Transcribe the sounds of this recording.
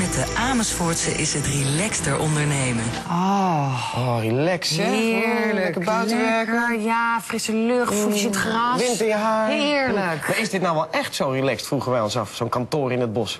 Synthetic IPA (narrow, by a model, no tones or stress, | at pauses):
mɛt̚dəʔaːməsfʊɹtsəʔɪsɦətrilɛkstəɹʔɔndəɹnejmən | ɔ | ɔrilɛksɪləkəbawtɛkəjafrɪsəløχfusətχrɑʋɪntəjəɦaːɪɹləkmaɹɪzdɪt̚nawʋɛlˠɛχtsowrilɛkstfruχənʋɛjɔnsɑfsownkɑntoːɾɪnɦəd̚bɔs